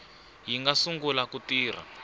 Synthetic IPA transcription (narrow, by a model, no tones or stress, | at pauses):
jiŋɡasuŋɡulakutiːr̤a̰